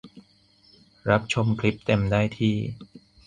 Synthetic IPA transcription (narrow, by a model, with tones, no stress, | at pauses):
ɾa˦˥p̚t͡ɕʰo˧mkʰli˦˥p̚t̪e˧mdaː˥˩jt̪ʰiː˥˩